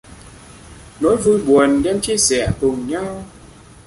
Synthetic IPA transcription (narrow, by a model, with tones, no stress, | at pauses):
nɔ˨˦jvu˧˩jɓu˨˩ənɗɛ˧mt͡ɕi˧əsɛ̰˧˩˨t̪ʊ˨˩ŋɲa˧w